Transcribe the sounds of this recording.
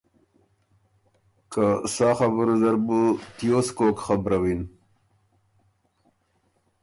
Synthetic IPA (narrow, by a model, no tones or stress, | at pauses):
kasaːxabɾuzaɾbut̪joːskoːkxabɾawin